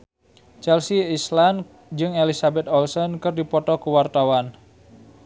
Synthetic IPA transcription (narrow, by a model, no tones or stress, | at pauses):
t͡ʃɛlsiislan | d͡ʒɨŋelisabɛt̪ɔlsɔnkɨrdipɔt̪ɔkuwart̪awan